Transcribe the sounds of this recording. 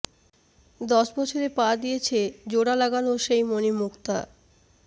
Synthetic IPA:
d̪ɔʃbɔt͡ɕʰoɾepad̪ijet͡ɕʰed͡ʑoɽalaɡanoʃejmonimukt̪a̰

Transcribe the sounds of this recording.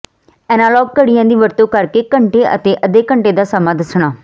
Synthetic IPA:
ɛːnaːlɔːɡ̚kəɽijãːd̪iːʋəɾt̪õːkəɾkeːkəɳʈeːʔə̰t̪eːʔəd̪eːkəɳʈeːd̪aːsəmãːd̪əsɳ̃aː

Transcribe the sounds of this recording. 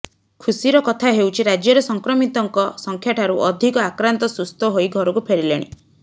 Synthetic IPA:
kʰusiɾɔkɔt̪ʰaɦewt͡ʃʰiɾad͡ʒjɔɾɔsɔŋkɾɔmit̪ɔŋkɔsɔŋkʰjaʈʰaɾuʔɔd̪ʱikɔakɾant̪ɔsust̪ɔɦoiɡʱɔɾɔkupʰeɾileɽ̃ḭ

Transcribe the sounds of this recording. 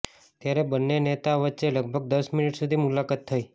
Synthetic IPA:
t̪jaɾebənːenet̪aʋətːʃeləɡ̚bʱəɡ̚d̪əsminiʈsud̪ʱimulakat̪ʰːəi

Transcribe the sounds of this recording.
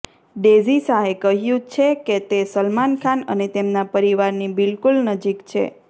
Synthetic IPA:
ɖezisaɦekəɦjũt͡ʃʰeket̪esəlmankʰanə̰net̪emnapəɾiʋaɾnibɪlkulnəd͡ʒikt͡ʃʰḛ

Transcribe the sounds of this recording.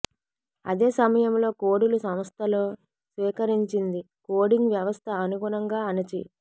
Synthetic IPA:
ɐ̰d̪eːsɐmɐjɐmlo̞ːkoːɽulusɐmst̪ʰɐloː | sʋiːkɐɾiɲt͡ʃind̪i | koːɽiŋɡʋjɐʋɐst̪ʰɐːnuɡulɐŋɡaːɐnɐt͡ʃḭ

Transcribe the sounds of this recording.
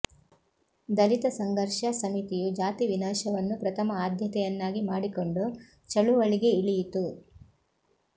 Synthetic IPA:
d̪ɐlit̪ɐsɐŋɡɐɾʂɐsɐmit̪ijud͡ʒaːt̪iʋinaːʃɐʋɐnːupɾɐt̪ʰɐmɐaːd̪ʱjɐt̪ɛjɐnːaːɡimaːɽiko̞ɳɖu | t͡ʃɐɭuʋɐɭiɡe̞iɭijit̪u

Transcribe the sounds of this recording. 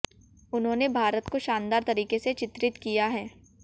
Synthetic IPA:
ʊnɦõːnebʱaːɾət̪koʃaːnd̪aːɾt̪ɐɾiːkeset͡ʃɪt̪ɾɪt̪kijaɦɛː

